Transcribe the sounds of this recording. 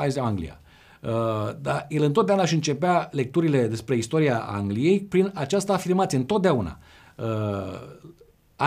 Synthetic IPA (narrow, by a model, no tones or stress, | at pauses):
azaŋɡlḭja̰ | əd̪aje̞lɨnt̪ot̪̚d̪aunaʃiɨnt͡ʃe̞peale̞k̚t̪uɾile̞d̪e̞spɾe̞ist̪o̞ɾiaa̰ŋɡlije̞jpɾinat͡ʃast̪əaːfirmat̪sijeɨnt̪o̞t̪̚d̪eauna̰ | ə | a